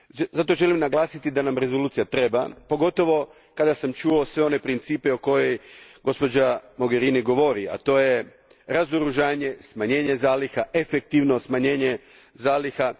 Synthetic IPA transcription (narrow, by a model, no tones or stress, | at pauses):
zat̪o̞ʒe̞limnaɡlˠaːsit̪id̪anamɾe̞zoluːt̪sijat̪ɾe̞ba̰po̞ɡo̞t̪o̞ʋo̞ | kad̪asamt͡ʃuosʋe̞o̞ne̞pɾint̪siːpe̞oko̞je̞jɡo̞spo̞d͡ʑamo̞ɡe̞ɾiːniɡo̞ʋo̞ɾia̰t̪o̞ːje̞ | ɾazoɾuʒaːɲe̞smaɲe̞ːɲe̞zaːlixaʔefek̚t̪iʋno̞smaɲe̞ːɲe | zaːlixa